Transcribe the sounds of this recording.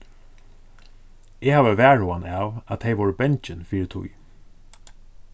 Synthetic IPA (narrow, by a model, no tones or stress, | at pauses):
ɛːhaːʋəʋæːɹʊanɑːʋat̪ʰːeɪjʋɔɹəbɛɲt͡ʃɪnfiːɹət̪ʰʊ̰j